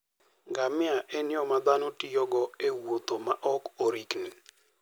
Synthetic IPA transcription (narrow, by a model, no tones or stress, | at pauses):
ɡamɪaʔɛnɪɔmad̪anɔtijɔɡɔewot̪omaʔɔkoɾikni